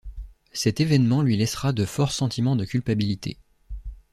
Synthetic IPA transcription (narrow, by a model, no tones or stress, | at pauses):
sɛt̪evɛnmɑ̃lɥilɛsχad̪əfɔʁsɑ̃t̪ʰimɑ̃d̪əkʲylpabilit̪ʰḛ